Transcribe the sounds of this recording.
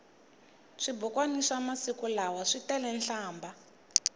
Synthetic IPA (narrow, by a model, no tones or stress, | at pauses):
ʂibukwaniʂamasikulawaʂitɛlɛnɬaːmba